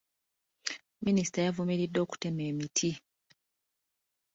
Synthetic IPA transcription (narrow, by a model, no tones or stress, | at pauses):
minisi̥tajavumiɾidːo̞ːku̥te̞meːmitʰi